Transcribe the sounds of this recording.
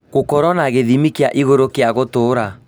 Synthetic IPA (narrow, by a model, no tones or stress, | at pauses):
ɣokɔɾɔnaɣeðimikeaʔiɣoɾokeaɣotoːɾa